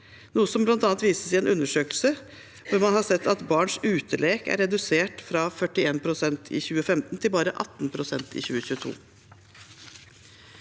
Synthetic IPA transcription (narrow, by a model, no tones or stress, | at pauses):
nuːəsɔmblɑnt̪ɑːnt̪ʋiːsəsɛeːnʔʉnːəʂøːklsə | ʋʊɾmɑnhɑsɛt̪ːɑt̪bɑːɳʂʉːt̪ʰəɭeːkæ̰ɾɛd̪ʉseːʈfɾɑfœʈɪeːnpʰɾʊsɛnt̪ʰɪ̰ːçʉːəfɛmt̪nt̪ʰɪlbɑːɾəʔɑ̰t̪ːn̩pʰɾʊsɛnt̪ʰḭːçʉːəçʉːət̪ʰṵː